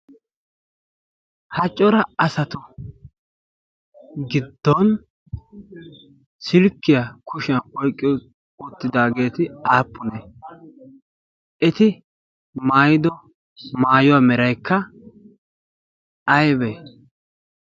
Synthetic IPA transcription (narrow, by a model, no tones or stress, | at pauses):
hɐt͡ʃʼːɔɾɐɐsɐt̪ʊ | ɡɪd̪ːɔn | sɪlkːɪjɐkʰʊʃɪjɐnkʼɔjkʼːɪ | ʊt̪ːɪd̪aːɡe̞ːt̪ɪaːpːʊnɛ | ʔɛt̪ɪ | maːjɪd̪ɔ | maːjʊwaːmɛɾɐjkʰːɐ | ɐjbɛ